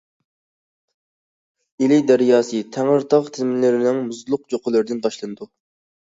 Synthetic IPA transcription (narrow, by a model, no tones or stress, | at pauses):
ilɪd̪æɾjɑːsɨt̪ʰæŋəɾt̪ʰɑʁt̪ʰɪzmɪnlɪɾɪnɪŋmuzlˠʊqd͡ʒoqʰəlˠɨɾd̪ɪnt̪ʰɑʃlˠɨnɨd̪u